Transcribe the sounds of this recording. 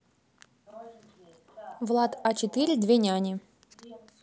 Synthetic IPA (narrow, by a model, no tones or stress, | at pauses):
vlˠat̪at͡ɕɪt̪ɨɾʲɪd̪vʲenʲanʲɪ